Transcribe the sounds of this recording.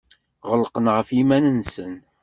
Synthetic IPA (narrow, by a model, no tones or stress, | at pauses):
ʁəlːqənʁəfimænənsən